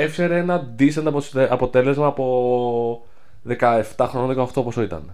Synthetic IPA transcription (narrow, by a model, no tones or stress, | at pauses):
efçeɾeenɐd̪isend̪ɐpoɐpo̞t̪e̞le̞zmɐːpo̞ | ðekɐeft̪ɐxɾonot̪okoɐft̪oposoit̪ɐ̰n